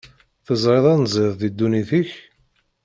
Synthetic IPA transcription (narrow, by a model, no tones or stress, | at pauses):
θəzˤɾeðˤænzˤɪðˤðid̪ːuniθəç